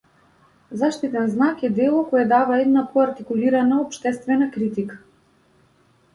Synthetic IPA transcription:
zaʃt̪it̪ɛnznakɛd̪ɛlˠɔkɔjɛd̪avaɛd̪napɔaɾt̪ikuliɾanaɔpʃt̪ɛst̪vɛnakɾit̪ikḁ

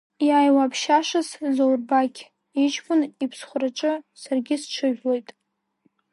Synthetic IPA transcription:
jaːjwapʰʃaʂaszowrbakʲʰ | it͡ʃʼpʰʼʊnipʰsχʷʊraʈ͡ʂʼɨsarɡʲɪsʈ͡ʂʷʰɨʒʲᶣlo̞jtʼ

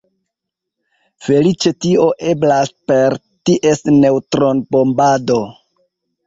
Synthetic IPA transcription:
fe̞lit͡ʃe̞tio̞ʔe̞blaspe̞ɾ | tiʔe̞sne̞wtɾo̞nbo̞mbado̞

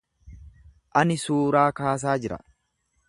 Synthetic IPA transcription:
ʔɐnɪsuːɾaːkaːs̬aːd͡ʒɪɾɐ̰

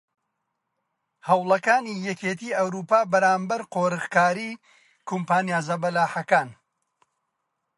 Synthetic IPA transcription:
hɐwlˠɐkaːnijɛkeːt̪ʰiːɐwɾuːpaːbɐɾaːmbɐɾqoːɾɨɣkaːɾiː | kʰumpaːnjaːzɐbɐlaːħɐkaːn

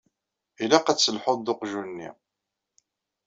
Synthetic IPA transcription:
ilaqæt͡sːəlħoðd̪ʊqʒunːḭ

